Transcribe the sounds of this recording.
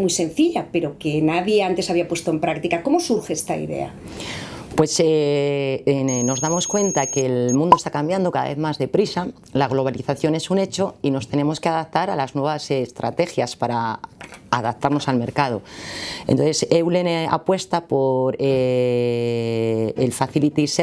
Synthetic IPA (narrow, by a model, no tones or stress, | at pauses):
mujsẽ̞nθiʎape̞ɾo̞kenaðjeant̪e̞saβiapwe̞st̪oe̞mpɾakt̪ikako̞mo̞suɾxeest̪aḭðe̞̰a̰ | pwe̞se | no̞zðamo̞skwe̞nt̪ake̞lmũnd̪oe̞st̪ḁkambjand̪o̞ka̰ða̰βe̞mazðe̞pɾisa | laɣ̞lo̞β̞aliθaθjo̞ne̞sune̞t͡ʃo̞ino̞st̪e̞ne̞mo̞ske̞aðapt̪aɾalaznwe̞βasest̪ɾa̰t̪e̞xjaspaɾaː | ðap̚t̪aɾno̞salme̞ɾkað̞o̞ḛnt̪onθe̞sewle̞na̰pwe̞st̪apo̞ɾe | elfaθilit̪ise